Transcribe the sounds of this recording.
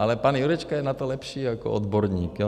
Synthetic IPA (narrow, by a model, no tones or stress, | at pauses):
alɛpanjuɾɛt͡ʃkajɛnat̪ɔlɛpʃiːakɔ̰ɔd̪bɔɾɲiːkɔ